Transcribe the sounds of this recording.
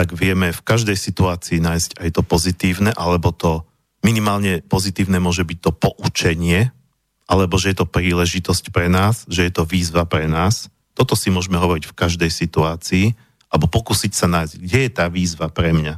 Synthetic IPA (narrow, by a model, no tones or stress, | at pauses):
aɡʋɪɛmɛfkaʒd̪ɛjsit̪uaːt͡siːnaːjscajt̪ɔpɔzit̪iːʊnɛʔalɛbɔt̪ɔ | minimaːlɲɛpɔzit̪iːʊnɛmʊɔʒɛbic̚t̪ɔpɔʔut͡ʃɛɲɪɛ | ʔalɛbɔʒɛjɛt̪ɔpɾiːlɛʒit̪ɔscpɾɛnaːsʒɛjɛt̪ɔʋiːzʋapɾɛnaːs | t̪ɔt̪ɔsimʊɔʒɛmɛɦɔʋɔɾicfkaʒd̪ɛjsit̪uaːt͡siː | alɛbɔpɔkuːsicsanaːjzɡɟɛjɛt̪aːʋiːzʋapɾɛmɲa